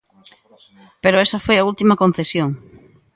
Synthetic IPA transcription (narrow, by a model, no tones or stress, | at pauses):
peɾoesɐfojɐult̪imɐkõn̟θesjoŋ